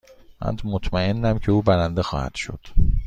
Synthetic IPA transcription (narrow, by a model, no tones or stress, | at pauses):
mæ̰nd̪mot̪ʰmæenːæmcʰe̞uːbæɾænd̪e̞xɒ̰ːhæ̰d̪̥ʃo̞̰d̪̥